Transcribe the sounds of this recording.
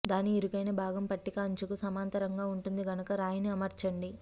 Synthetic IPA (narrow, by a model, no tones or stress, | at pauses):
d̪aːniːɾukɐjnɐbʱaːɡɐmpɐʈːikaːɲt͡ʃukusɐmaːnt̪ɐɾɐŋɡaːuɳʈund̪iɡɐnukɐɾaːjɐniɐmɐɾt͡ʃɐɳɖi